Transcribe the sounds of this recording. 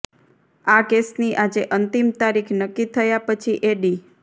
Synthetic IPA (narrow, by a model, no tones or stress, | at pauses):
akesniʔad͡ʒeʔənt̪imt̪aɾikʰnəkːit̪ʰəjapət͡ʃʰiʔeɖi